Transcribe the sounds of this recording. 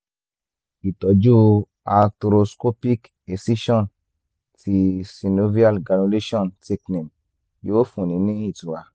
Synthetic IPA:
i˨tɔ˨d͡ʒo˦ | a˨tɾo˧sko˦pi˦k | e˨si˦ʃɔ˦˨n | ti˧si˧no˧vi˦a˦lɡa˨nu˧le˦ʃɔ˦˨nte˦kni˨m | ji˦wo˦fũ˨nĩ˨˦nĩ˦i˦˨tu˨a˨

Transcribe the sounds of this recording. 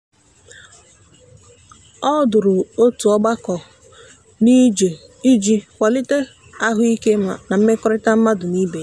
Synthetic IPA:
ɔ˦dʊ˨ɾʊ˨o˦tu˨ɔ˦ɡ͡ba˦kɔ˨ | ni˦d͡ʒ | i˦d͡ʒi˦kʷa˨lɪ˦te˦ | a˦ɦʊ˦i˦ke˦˨na˨m̩˦me˦kɔ˦ɾɪ˦ta˦m̩˦ma˦dʊ˨ni˦be˨

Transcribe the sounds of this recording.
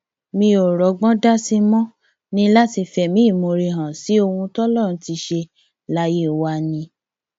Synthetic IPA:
mĩ˧o˨ɾɔ˨˦ɡ͡bɔ̃˦da˦si˦mɔ̃˦ | nĩ˦la˦ti˧fɛ˨mĩ˨˦˨mo˧ɾi˧ɦã˨si˨˦o˧hũ˧tɔ˦lɔ̃˦˨ũ˧˦ti˧ʃe˧ | la˨˦je˦˨wa˧˦nĩ˧

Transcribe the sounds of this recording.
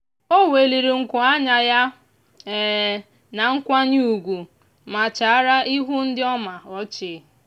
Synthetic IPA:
o˦we˨li˨ɾi˨ŋ̩˨kʷʊ˨a˦ɲa˨ja˦˨ | na˨ŋ̩˦kʷa˦ɲu˦u˨ɡʷu˨ | ma˨t͡ʃa˨a˦ɾa˦ʔi˦ɦu˦n̩˦dɪ˦ɔ˦ma˨ɔ˦t͡ʃɪ˨

